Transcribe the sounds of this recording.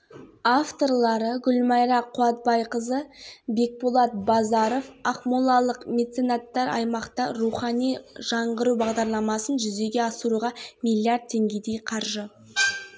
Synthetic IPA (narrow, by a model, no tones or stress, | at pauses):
aft̪o̞ɾlˠɑɾəɡʲʊlmɑjɾɑqʰuɑt̪̚bɑjqəzəbe̞k̚bulˠɑt̪̚bɑzɑɾo̞fɑχmulˠɑlˠəqmʲe̞t̪senat̪ːɑɾɑ̰jmɑqt̪ɑɾuχɑnijʒɑɴʁəɾubɑʁd̪ɑɾlˠɑmɑsənʒʏze̞ɡʲe̞ɑsəɾuʁɑmʲijlʲjiaɾd̪̚t̪ʰe̞ŋɡʲe̞d̪e̞jqʰɑɾʒə